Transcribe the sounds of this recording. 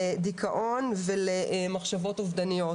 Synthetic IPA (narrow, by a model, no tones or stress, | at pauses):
ed̪ikʰaʔo̞nveleʔmaχʃavo̞t̪ovd̪anijo̞